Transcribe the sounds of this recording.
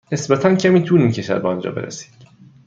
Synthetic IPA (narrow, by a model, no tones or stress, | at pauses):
ne̞sbæt̪ʰæncʰæmiːt̪ʰuniːncʰeʃæ̰ɾbeɒnd͡ʒɒ̰ːbe̞ɾʔḛsi̥ːd̪̥